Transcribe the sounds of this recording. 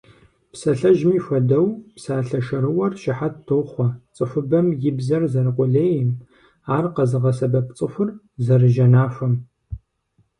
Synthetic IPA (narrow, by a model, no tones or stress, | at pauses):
psɐɬɐʒmiːfʷɐdɐwpsaːɬɐʃɐɾɨwɐrʃɪħat̚tʰoːχʷɐt͡sʼɨfʷʊbɐmjɪbzɐrzɐrɨqʷʊɮeːjɪm | aːrqɐzɨʁɐsɐbɐp̚t͡sʼɨfʷʊr | zɐrɨʒɐnaːfʷɐm